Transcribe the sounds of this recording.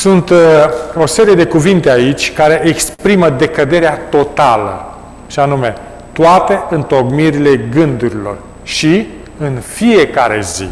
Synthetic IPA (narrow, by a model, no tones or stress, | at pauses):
sunt̪o̞se̞ɾije̞d̪e̞kuvint̪eait͡ʃʲkaɾe̞ʔekspɾiməd̪e̞kəd̪e̞ɾeat̪o̞t̪alə̰ | ʃanume̞ | t̪oat̪e̞ɨnt̪o̞ɡmiɾile̞ɡɨnd̪uɾilo̞̰r | ʃi | ɨnfie̞kaɾe̞̰zḭ